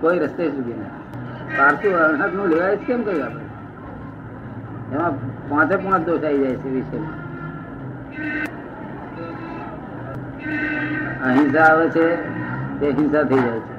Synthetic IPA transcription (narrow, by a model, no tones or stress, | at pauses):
koiɾəst̪esuɡ̪ina̰ | paːɾsiʋəɳək̪nũleɡait͡ʃʰkemkəiaːpə̰ | emãpãːt͡ʃepãt͡ʃd̪oːʃaːid͡ʒajt͡ʃʰeʋiʃela | əɦɪ̃nsaːʋet͡ʃʰet̪eɦɪ̃nsat̪ʰəid͡ʒajt͡ʃʰe